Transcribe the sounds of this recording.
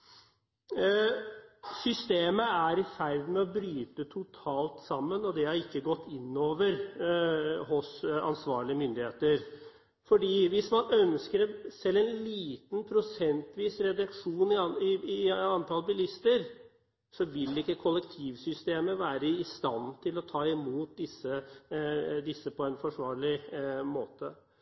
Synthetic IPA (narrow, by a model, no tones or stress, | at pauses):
sʏst̪eːməæɾɪfæɾd̪mɛɔbɾyːt̪ət̪ʰʊt̪ʰɑːlt̪sɑmːənɔd̪ɛhɑɾɪkːəɡɔt̪ːɪnːoːʋəɾ | ɦʊsɑ̰nsʋɑːɭɪəmʏnd̪ɪheːt̪əɾ | fɔɖiːʋɪsmɑnœnskəɾɛsɛlːɛɪnliːt̪n̩pʰɾʊsɛnt̪ʰʋiːsɾɛd̪ɑkʂuːnɪɑɪɪɑnt̪ʰɑlbɪlɪst̪əɾ | sɔʋɪlːɪkːəkʰɔlːɛkt̪ʰiːʋsʏst̪eːməʋæːɾəɪst̪ɑnt̪ʰɪlɔt̪ʰɑːɪmuːt̪̚d̪ɪsːə | d̪ɪsːəpʰɔɛnfɔʂʋɑːɭɪmoːt̪ə